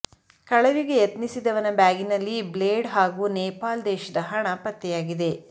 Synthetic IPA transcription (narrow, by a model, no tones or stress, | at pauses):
kɐɭɐʋiɡe̞jɐt̪nisid̪ɐʋɐnɐbaːɡinɐlːibleːɖɦaːɡuːnɛːpaːld̪ɛːʃɐd̪ɐɦɐɳɐpɐt̪ːɛjaːɡid̪e̞